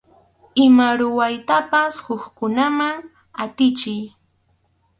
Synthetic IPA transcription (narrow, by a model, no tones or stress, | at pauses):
ɪmaɾʊwajt̪apashʊkkʊnamaŋ | at̪ɪt͡ʃɪj